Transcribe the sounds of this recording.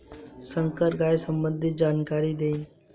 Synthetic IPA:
sə̃ŋkəɾɡaːesəmbə̃nd̪ʱɪt̪̚d͡ʒaːnkaːɾid̪eːin

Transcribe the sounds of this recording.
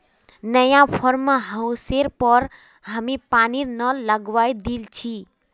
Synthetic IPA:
nəjãpʰɔɾmɦə̃seɾpəɾ | ɦəmipaniɾnələɡʋajd̪ilt͡ʃʰi

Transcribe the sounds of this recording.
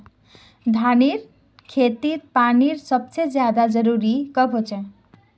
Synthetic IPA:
d̪ʱaniɾ | kʰet̪iɾpaniɾsʌb̚t͡ʃed͡zjad̪ad͡zʌɾuɾikʌbʱɦot͡ʃʰe

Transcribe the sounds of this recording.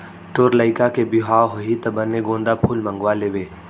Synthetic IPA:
t̪oɾləɪkakebiɦaːɦoɦit̪ɐbənːeɡõːnd̪apʰuːlmə̃ŋɡwaleːʋeː

